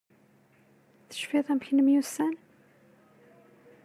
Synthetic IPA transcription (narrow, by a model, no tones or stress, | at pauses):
θə̥ʃfiθˤæmçənəmjusæn